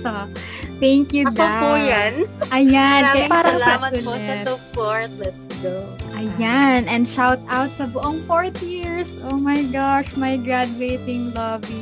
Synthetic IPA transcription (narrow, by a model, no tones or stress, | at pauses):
o | t̪ɛŋkjud̪ɐojanʔɐjankɐjpaːɾɐŋsamɐʊlɛɐɔpoɹt̪̚lɛt̪sɡoʔɐjanɛ̃nd̪ʃawt̪̚ʔawt̪̚sɐbʊʔoŋfoɹt̪jiɹsʔoːmɐjɡaʃmɐjɡɹad̪uejt̪ɪŋloːbi